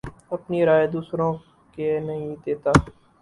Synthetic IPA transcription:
əpniːɾaːed̪uːsɾõː | kenəɦĩd̪eːt̪aː

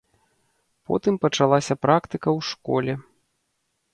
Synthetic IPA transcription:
pɔ̰t̪ɨmpɐt͡ʂalˠasʲɐpɾakt̪ɨkɐwʂkɔlʲɛ

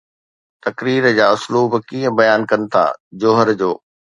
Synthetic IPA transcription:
t̪ɐkɾiːɾd͡ʑaːʊsluːbkiːə̃bɐjaːnkɐnɪ̆t̪ʰa̰ːd͡ʑoːɦəɾd͡ʑoː

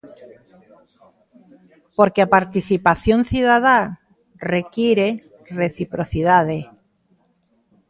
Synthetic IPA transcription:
poɾkeapaɾt̪iθipaθjonθjuðað̞a | rekjeɾe | reθipɾoθiðað̞e

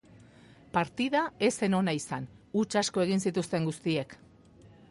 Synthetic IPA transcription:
paɾt̪iðae̞se̞no̞naisanut͡ʃasko̞e̞ɣ̞insit̪ust̪e̞ŋɡust̪ie̞k

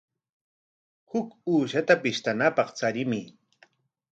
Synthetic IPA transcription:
hʊkuːʃat̪apɪʃt̪anapɑχt͡saɾɪmɪ

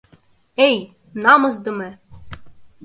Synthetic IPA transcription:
ej | nɑmɤ̆zd̪ɤ̆me

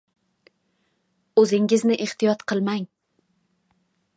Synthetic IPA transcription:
ɵzɪŋɪznɪʔeht̪ijɒt̪qʰɨlˠmaŋ

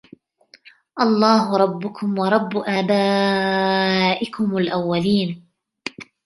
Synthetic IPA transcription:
ʔɑlˤːɑːɦʊɾˤɑbːʊkʊmwɑɾˤɑbːʔaːbaː | ʔɪkʊmalʔawːaliːn

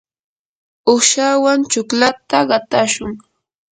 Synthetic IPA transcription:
ʊʃawant͡ʃʊklat̪aɢɑt̪aʃʊŋ

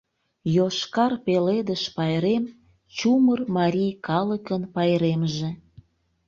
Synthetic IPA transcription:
joʃkɑrpeled̪əʃpɑjɾem | t͡ɕumərmɑɾʲijkɑləkənpɑjɾemʒe

